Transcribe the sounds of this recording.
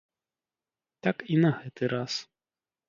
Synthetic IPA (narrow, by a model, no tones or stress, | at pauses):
t̪akinɐɣɛt̪ɨɾas